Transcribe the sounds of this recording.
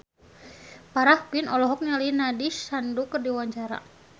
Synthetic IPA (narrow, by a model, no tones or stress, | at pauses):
paɾahkinɔlɔɦɔk̚nalinadisandukərdiwaɲt͡ʃaɾa̰